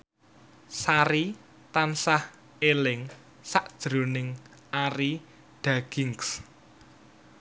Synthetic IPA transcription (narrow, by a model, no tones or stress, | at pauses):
saɾi | t̪ansah | elɪŋ | saʔd̥ʒ̥ɾo̤nɪŋ | aɾi | ɖ̥ä̤ɡ̥ɪŋks